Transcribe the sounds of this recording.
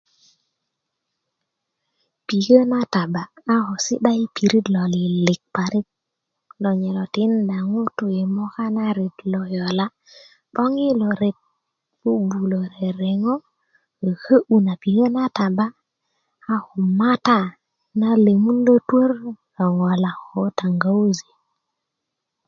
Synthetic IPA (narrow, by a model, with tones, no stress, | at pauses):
pi˨kə˦na˦ta˨baː˨˦hɔ˨sḭ˦ɗa˦i˦pi˨ɾi˦dlo˨li˨li˨k̚pa˨ɾi˦k̚ | lɔ˨ɲɛ˨lɔ˨ti˦nda˨ŋu˦tu˨e˨mɔ˦ka˦na˦ɾe˨tlɔ˨jɔ˨la˦ | ɓɔ˦ŋi˦lo˨ɾe˨t̚ | u˦bu˨lo˨ɾe˨ɾe˨ŋɔ˦˨ | hə˦ʔu˨na˨pi˨hə˦na˦ta˨baː˦ | hu˨ma˦ta˦ | na˦le˨mu˦ndo˦two˦ɾ | ɔ˨ŋɔ˨la˨hɔ˨˦ta˨ŋɡa˦u˦ze̥˨